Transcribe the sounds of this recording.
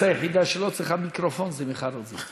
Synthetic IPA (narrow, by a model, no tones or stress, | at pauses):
ajaχid̪aʃelot͡sɾiχamikɾofonzɛmeχaɾozi